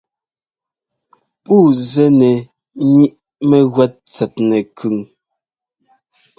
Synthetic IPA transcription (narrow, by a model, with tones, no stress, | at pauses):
pu˦˨zɛ˦nɛ˨ | ɲi˦ʔ | mɛ˦ɣwɛ˦t̚t͡sɛ˨t̚nɛ˨kʰʉ˨ŋ